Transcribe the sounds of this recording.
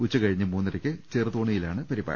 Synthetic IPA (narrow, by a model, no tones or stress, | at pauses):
ut͡ɕːɐkɐɻiɲːɨmuːnːɐɾɐkʲːɨt͡ɕeːrɨt̪oːɳijilaːɳɨpɐɾiba̰ːɐ